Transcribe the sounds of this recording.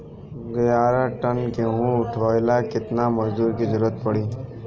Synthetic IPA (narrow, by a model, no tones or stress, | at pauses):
ɡəjaɾaʈənkeɦũʊʈʰojlakɪt̪naməzd̪uːɾkid͡ʒəɾuət̪̚pəɽiː